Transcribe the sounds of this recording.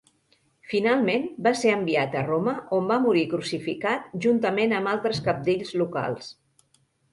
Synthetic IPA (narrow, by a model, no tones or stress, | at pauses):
finalˠmenbaseəmbiat̪əroməʔombamuɾikɾusifikat̪̚ʒunt̪əmenəmalˠt̪ɾəskəp̚d̪eʎzluka̰lˠs